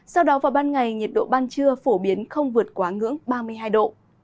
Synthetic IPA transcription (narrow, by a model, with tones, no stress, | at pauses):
sa˧wɗɔ˨˦vaː˨˩wɓaː˧nŋa˨˩jɲi˨˩t̚ɗo̰˧˨ɓaː˧nt͡ɕɨ˧əfo˧˩ɓi˨˦ənxə˧wŋ͡mvɨ˨˩ə˩t̚kwaː˨˦ŋɨ̰˧˥əŋɓaː˧mɨ˧əjɦaː˧jɗo̰˧˨